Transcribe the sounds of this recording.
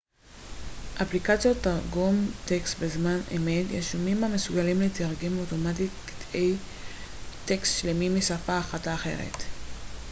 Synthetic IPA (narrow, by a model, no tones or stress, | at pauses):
ʔaplikat͡sjo̞tːaʁɡumt̪ekst̪bezmanḛmetjḛʃumimame̞suɡalimletaʁɡemoto̞mat̬itki̥tej | te̞kst̪ʃlemimisafaːχataːχe̞̰ʁḛt